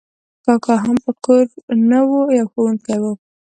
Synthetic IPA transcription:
kɑkɑɦampəkoɾnəwojɑwxowuŋkajwo

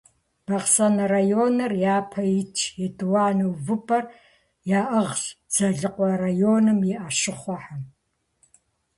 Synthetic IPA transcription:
b̥ɐʁsɐnɐrajoːnɐrjaːpʰɐjɪt͡ʃʰjɛdʼɨwaːnɨwvɨpʰʼɐr | jaːʔɐʁɕz̥ɐɮɨqʷʼɔrajoːnɨmjɛʔaʃɨχʷɔħam

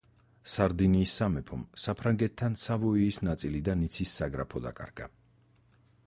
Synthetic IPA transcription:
saɾd̪iniːsːamɛpʰɔmsapʰɾaŋɡɛt̪ʰːansavɔiːsnat̪sʼilid̪anit̪sʰisːaɡɾapʰɔd̪a̰kʼa̰ɾɡ̥a̰

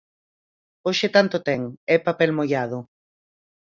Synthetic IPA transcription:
oʃet̪ant̪ʊt̪ɛŋɛpapɛlmojaðʊ

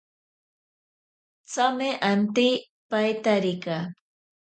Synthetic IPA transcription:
t͡samɪʔant̪ɪj | pajt̪aɾɪka

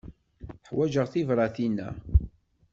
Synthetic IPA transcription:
θħwæd͡ʒəʁθivɾˤɑθinæ̰

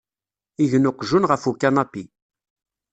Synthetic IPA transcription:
iʝnʊqʒunʁəfukːanɑpːi

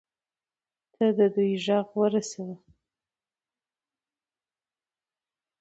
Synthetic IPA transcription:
t̪ʰəd̪əd̪ujʒɑɣwəɾasawə

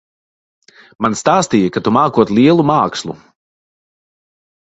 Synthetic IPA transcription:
manst̪aːst̪ijɐkat̪umaːkuɔt̪liɛlˠumaːkslˠṵ

